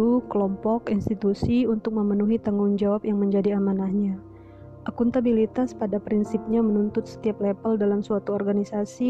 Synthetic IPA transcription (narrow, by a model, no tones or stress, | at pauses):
ukəlɔmpɔkinst̪it̪usiunt̪ʊk̚məmənuɦit̪əŋʊŋd͡ʒawapjaŋməɲd͡ʒadiamanahɲa | ʔakunt̪abilit̪aspadapɾinsip̚ɲamənunt̪ʊt̪̚sə̥t̪iap̚lepəldalamsuat̪uɔrɡanisasi